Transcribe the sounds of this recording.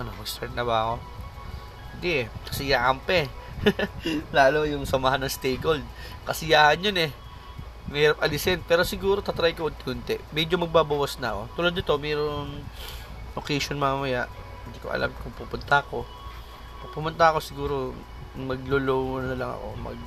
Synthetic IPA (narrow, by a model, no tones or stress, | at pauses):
ʔɐnowɛst̪ɛɹnɐbɐɐko̞ | hɪnd̪iʔɛkɐ̥sɪjaːʔɐmpɛ | laːlojʊŋsɐmaɦanːɐŋst̪ejɡold̪̚ | kɐsɪjaːhɐnjonɛ | mɐiːɾɐp̚ʔɐlɪsɛnpɛːɾo̞sɪɡuːɾo̞t̪at̪ɾajkoʔɐd̪̚t̪ɪhʊnt̪ɛʔmɛd͡ʒo̞mɐɡ̚baːbɐwasnɐɐko̞t̪uːlɐd̪nɪt̪o̞mɛːɾoŋ | ʔokɛjʃonmɐmɐjaʔ | hɪnd̪iko̞ʔɐ̰lʔa̰mkʊŋpuːpʊnt̪ɐɐko̞ | pɐɡ̚pʊmʊnt̪ɐɐko̞sɪɡuːɾo | mɐɡ̚lolowɐnɐlɐŋɐ̰ko̞̰mɐ̰ɡ̚